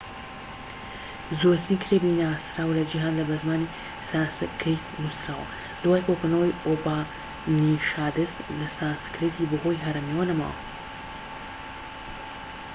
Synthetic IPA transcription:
zoɾt̪nikʰɾebinaːsɾaːwlɐd͡ʒiɦaːnlɐbɐzmaːni | saskʰɾit̪nusɾaːwɐ̰ | d̪̥waːjkokunowiobaː | niʃaːd̪ɨst̪lɐsaːnskɾit̪ʰibɨɦojɦɐɾɐmiwɐnɐma̰ːwɐ̰

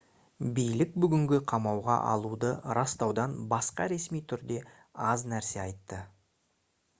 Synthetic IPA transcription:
bijlɪk̚bʏɡʲɪŋɡʲɪqʰɑmɑwʁɑ̰ʔɑ̰lˠud̪əɾɑst̪ɑwd̪ɑnbɑsqɑɾe̞smijt̪ʰʏɾd̪e̞ | ɑznæɾse̞ɑjt̪ːə

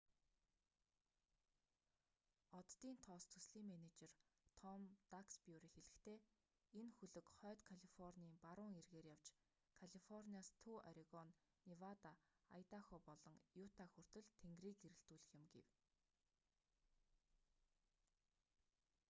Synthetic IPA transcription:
ɔt̪ːiːnt̪ʰɔːst̪ʰɵsɮiːmːænet͡ɕert̪ʰɔmt̪akspjuɾiːxeɮɘ̆xt̪ʰeː | enxɵɮɵ̆kχœːt̪kʰaɮifɔrnʲiːmpaɾʊːŋerɣeːrjaw̥t͡ɕ | kʰaɮifɔrniaːst̪ʰuːaɾiɣɔnː | iwat̪aa̰jt̪axɔːpɔɮɞ̆ŋjut̪ʰaxur̥t̪ɵ̆ɘ̆ɮt̪ʰeŋɡriːkɡeɾɘ̆ɬt̪uːɮɘ̆xɪ̆mɡḛw

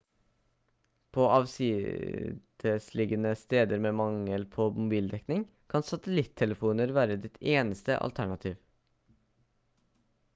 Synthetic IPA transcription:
pʰoːʔɑʋsɪ | d̪̥əslɪɡənəst̪eːd̪əɾmeːmɑŋəlpʰoːmʊbiːld̪ɛknɪŋ | kʰɑnsɑt̪əlɪt̪ʰːɛləfuːnəɾʋæːɾəd̪ɪt̪ʰeːnəst̪ə̰ʔɑ̰lt̪ʰæɳɑt̪ʰiːʋ

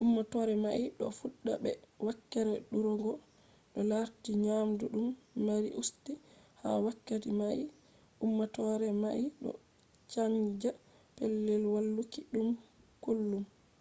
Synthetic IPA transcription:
ʔumːatɔɾɛmaiɗɔfuɗːabɛwakːɛɾɛɗuɾɔɡɔ | ɗɔlaɾtiɲamduɗumːaɾḭʔustiha̰wakːatimai | ʔumːatɔɾɛmaʔiɗɔ̰ | t͡ʃand͡ʒa | pɛlːɛlwalːukiɗumkulːum

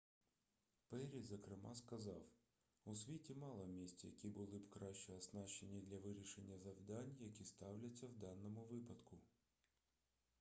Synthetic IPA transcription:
pɛɾʲizɐkɾɪmɑskɐzɑw | ʊsʲʋʲitʲimɑlˠɐmʲisʲt͡sʲɐjɐkʲibʊlˠɪbkɾɑʃt͡ʃɛɐsnɑʃt͡ʃːenʲːid̪lʲɐʋɪɾʲiʃenʲːɐzɐwd̪ɑnʲjɐkʲist̪ɑwlʲɐt͡sʲːɐwd̪ɑnːɔmʊʋɪpɐd̪kʊ

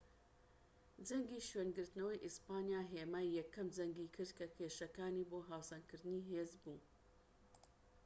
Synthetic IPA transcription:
d͡ʒɐŋɡiːʃɥeːnɡɨɾt̪nɐwɐjʔispaːnjaːɦeːmaːjjɛkʰːɐmd͡ʒɐŋɡiːkʰɨɾd̪̚kʰɐkʰeːʃɐkaːniːboːɦaːwsɐnkɨɾd̪ɨniːɦeːzbuː

